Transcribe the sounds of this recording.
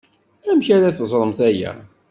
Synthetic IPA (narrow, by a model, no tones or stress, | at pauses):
æmçæɾaθəzˤɾˤəmθæjæ̰